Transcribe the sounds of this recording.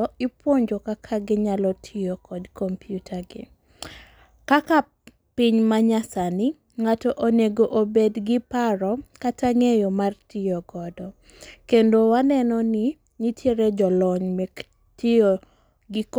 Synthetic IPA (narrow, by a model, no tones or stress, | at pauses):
ɔɪpwoɲd͡ʒokakʰaɡɪɲalɔtʰijokʰɔdkɔmpjutʰaɡɪ̰ | kaka | pɪɲmaɲasanɪ | ŋatɔʔoneɡoʔobedɡɪpaɾɔkataŋejɔmartɪjoɡɔdɔ | kendowanɛnɔnɪ | ɲitʰjeɾed͡ʒɔlɔɲme | tio | ɡɪk